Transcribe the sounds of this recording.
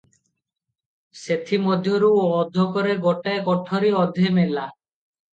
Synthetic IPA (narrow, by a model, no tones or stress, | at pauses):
set̪ʰimɔd̪ʱjɔɾuɔd̪ʱːɔkɔɾeɡɔʈaekɔʈʰɔɾiɔd̪ʱemela